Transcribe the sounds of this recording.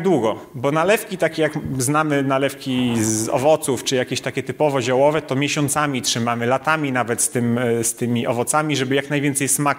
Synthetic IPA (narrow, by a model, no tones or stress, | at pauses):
d̪wuɡɔbɔnalɛfkʲit̪akʲɛjakznamɘnalɛfkʲizɔ̰vɔt̪suft͡ʂɘjakʲeɕt̪akʲɛt̪ɘpɔvɔʑawɔvɛt̪ɔmʲjeɕɔnt̪samʲitʂɘmamɘlat̪amʲinavɛt̪st̪ɘmst̪ɘmʲiʔɔvɔt̪samʲiʐɛbɘjaknajvʲjɛnt̪sɛjsmak